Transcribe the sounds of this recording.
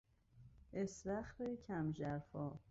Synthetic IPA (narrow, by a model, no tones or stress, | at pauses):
esɾæxɾecʰæmd͡ʒæɾfɒː